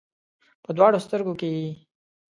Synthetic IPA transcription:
pəd̪wɑːɽost̪əɾɡokej

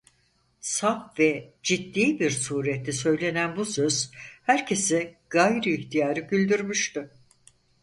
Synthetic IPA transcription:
sapvɛd͡ʒit̪ːiːbiɾsuːɾɛt̪lːɛsø̞jlʲe̞nænbusø̞z̥hæɾcʰe̞sɪɡ̥ajɾɯːçt̪ʰijaːɾɯɟylʲd̪yɾmyʃt̪ɪ

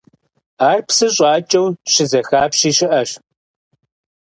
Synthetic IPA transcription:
aːrpsɨɕʼaːt͡ʃʼɐwɕɪzɐxaːpɕiːɕɪʔɐɕ

